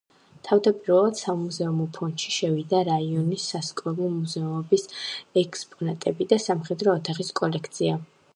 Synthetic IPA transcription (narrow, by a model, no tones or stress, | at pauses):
t̪ʰavd̪apʼiɾvɛlˠad̪̥samuzɛumɔpʰɔnt̪ʃiʃɛvid̪aɾaiɔnisːaskʼɔɾˠɔmuzɛɔmɔbisɛkʰʼspʼɔnat̪ʼɛbid̪asamχɛd̪ɾɔːt̪ʰaχiskʼɔlɛkʰt̪sʰia